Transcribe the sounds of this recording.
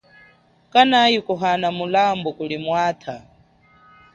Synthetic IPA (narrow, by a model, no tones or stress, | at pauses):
kʼanajikʼuɦanamulambukʼuɺimwaːt̪ʰa